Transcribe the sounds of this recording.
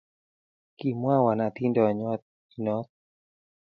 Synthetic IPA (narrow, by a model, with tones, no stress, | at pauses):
ki˨mwa˦wa˨na˨t̪i˦ndɔ˨ɲɔ˦t̪̚ | nɔ˦t̪̚